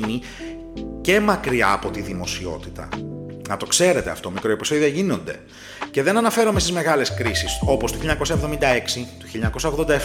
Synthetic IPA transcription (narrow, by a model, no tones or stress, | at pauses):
ni | ce̞mɐkɾiɐ̰ːpo̞t̪iðimo̞sio̞̰t̪it̪ɐ̰nɐt̪o̞kse̞ɾe̞t̪e̞ɐft̪o̞mikɾoiposeðiɐʝino̞nd̪e̞̰ | ce̞ðe̞nɐnɐfe̞ɾome̞st̪izme̞ɣɐle̞skɾisiso̞post̪u̥çiʎːɐɲɐko̞sɐevðo̞mind̪ɐe̞ksit̪u̥çilːɐɲɐko̞sɐoɣðod̪ɐef